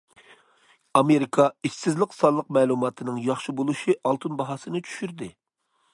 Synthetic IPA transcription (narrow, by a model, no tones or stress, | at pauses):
ɑmeɾikʰɑiʃɪzlɪqsɑlːˠəqmɛːlˠumɑːt̪ʰɨnɨŋjɑχʃibolˠuʃiʔɑlˠt̪ʰɨnbɑɦɑːsɨnɨt͡ʃʰy̥ʃyɾd̪ɪ